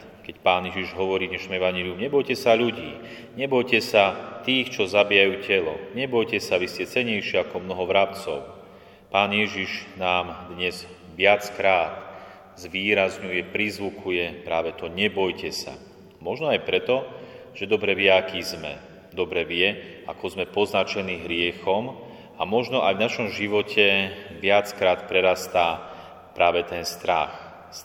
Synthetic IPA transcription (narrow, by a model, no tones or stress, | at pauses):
kɛcpaːnjɛʒiʒɦɔʋɔɾiːɲɛʃnɔmɛʋaɲɛliumɲɛbɔjcɛsaʎuɟḭː | ɲɛbɔjcɛsat̪iːxt͡ʃɔzabijajuːcɛlɔ̰ɲɛbɔjcɛsaʋiscɛt͡sɛɲɛjʃɪɛakɔmnɔɦɔʋɾapt͡sɔʊ | paːnɪjɛʒiʒnaːmd̪ɲɛz | ʋɪat͡skɾaːt̪ | zʋiːɾazɲujɛpɾizʋukʰujɛpɾaːʋɛt̪ɔɲɛbɔjcɛsa̰ | mɔʒnɔajpɾɛt̪ɔʒ̥ɛd̪ɔbɾɛʋɪɛakiːzmɛ̰ | d̪ɔbɾɛʋɪɛakɔzmɛpɔznat͡ʃɛniːɦɾɪɛxɔm | amɔʒnɔʔajvnaʃɔmʒiʋɔcʰɛʋɪat͡skɾaːt̪pɾɛɾast̪a | pɾʔaːʋɛt̪ɛnst̪ɾax